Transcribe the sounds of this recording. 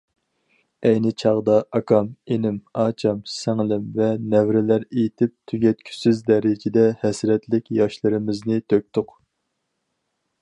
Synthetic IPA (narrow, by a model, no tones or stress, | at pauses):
ɛjnɪt͡ʃʰɑʁd̪ɑʔɑkʰɑmenɪmɑːt͡ʃʰɑmsɛŋlɪmvɛnɛvɾɪlæɾejt̪ʰɪp̚t̪ʰyɡʲɛt̪̚kʲʰy̥syzd̪ɛɾɪd͡ʒɪd̪ɛhɛsɾɛt̪lɪkʲjɑʃlˠɨɾɪmɪznɪt̪ʰøk̚ʲt̪ʰʊq